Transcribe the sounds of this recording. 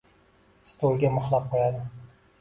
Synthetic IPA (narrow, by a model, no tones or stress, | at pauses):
st̪ʰolˠɡʲamɨχlˠap̚qʰojad̪ɪ